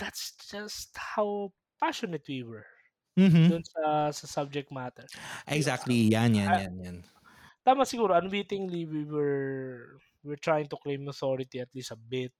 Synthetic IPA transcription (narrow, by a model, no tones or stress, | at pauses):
d̪̥at̪sd͡ʒɐst̪haw | paʃɔnɛt̪wiwɛɹ | m̩md̪ʊnsɐsɐsab̚d͡ʒɛk̚t̪̚mat̪ɛɹʔɛɡzak̚t̪lijanjanjanjan | t̪aːmɐsɪɡuːɾoɐnwiːt̪ɪŋliwiwɛɹ | wɪɹt̪ɹajɪŋt̪ʊklẽjmɐθoɹɪt̪iɐt̪list̪ɐbɪt̪̚